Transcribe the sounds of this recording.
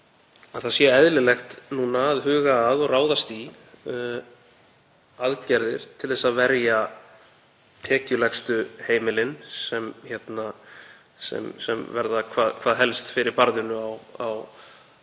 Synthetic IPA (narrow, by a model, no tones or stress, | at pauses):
aðθaðsjɛɛðlɪlɛxt̪nuːnaːðɦʏːɣaːðɔɣraːwðast̪i | aðcɛɾðɪɾ̥t̪ʰɪlθɛsaðvɛɾja | t̪ʰɛːcʏlɛxst̪ʏheːjmɪlɪnsɛmçɛt̪na | sɛ̰msɛ̰mvɛɾðakʰvaːðkʰvaːðɦɛlst̪fɪɾɪɾpaɾðɪnʏawaw